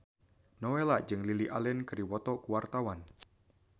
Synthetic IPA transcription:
nɔwelad͡ʒɨŋliliʔalɛnkɨɾiwɔt̪ɔkuwart̪awan

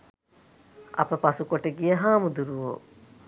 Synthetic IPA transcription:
ɐ̰pəpasukoʈeɡijɐɦaːmud̪uɾuʋo̰ː

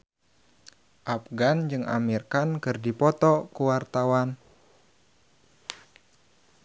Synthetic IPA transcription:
ʔapɡand͡ʒɨŋa̰mirkankɨrdipɔt̪ɔkuwart̪awan

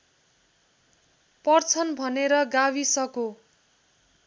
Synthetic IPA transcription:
pʌrt͡sʰʌnbʱʌneɾʌɡawisʌko

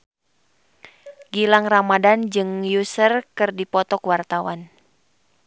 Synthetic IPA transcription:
ɡilaŋramadand͡ʒɨŋjusərkɨrdipɔt̪ɔkwart̪awan

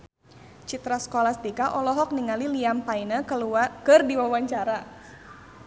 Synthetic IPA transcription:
t͡ʃit̪ɾasə̥kolast̪ikaʔɔlɔɦɔk̚niŋaliliampainaukɨrdiwawaɲt͡ʃaɾa

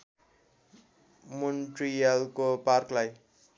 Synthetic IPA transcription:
munʈrijalkoparklaj

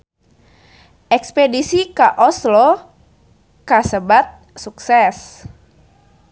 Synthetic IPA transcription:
ʔɛkspedisikaʔɔslɔ | kasəbat̪̚ | suksɛs

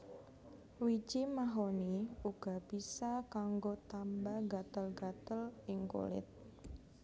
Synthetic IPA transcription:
wid͡ʒimaɦoniuɡ̥a̤b̥isakaŋɡot̪ambaɡat̪əlɡat̪əlɪŋko̰lɪ̰t̪̚

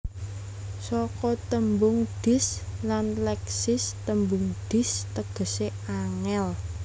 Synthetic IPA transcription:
sɔkɔt̪əmbʊŋɖ̥ɪ̤slanlɛksɪst̪əmbʊŋɖ̪̥ɪ̤st̪əɡ̥ə̤seaŋɛl

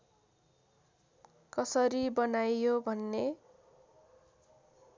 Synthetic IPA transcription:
kʌsʌɾibʌnajjobʱʌnːe

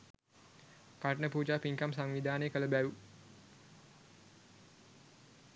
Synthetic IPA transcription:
karnəput͡ʃapiŋkamsaŋwidanekələbaɾu

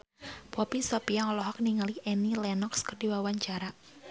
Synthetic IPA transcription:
pɔpisɔpiaŋɔlɔɦɔk̚niŋaliʔɛnilɛnɔkskərdiwawaɲt͡ʃaɾa

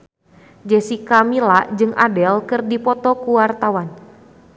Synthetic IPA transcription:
d͡ʒɛsikamilaʔd͡ʒɨŋʔa̰dɛlkɨrdipɔt̪ɔkuwart̪awan

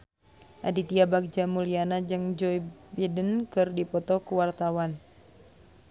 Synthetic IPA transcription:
ʔa̰dit̪iabaɡ̚d͡ʒamulianad͡ʒɨŋd͡ʒɔibidənkɨrdipɔt̪ɔkuwart̪awan

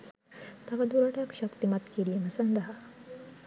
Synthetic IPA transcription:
t̪ɐʋɐd̪uɾɐʈaːkʃɐkt̪imɐt̪kiɾijɐmɐsɐnd̪ɐɦɐ

